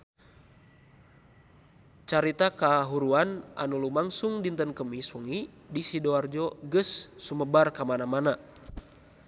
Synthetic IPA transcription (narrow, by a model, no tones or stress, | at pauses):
t͡ʃaɾit̪akaɦuɾuana̰nulumaŋsuŋdint̪ənkəmisɔŋi | disidɔard͡ʒɔɡəsːuməbarkamanamana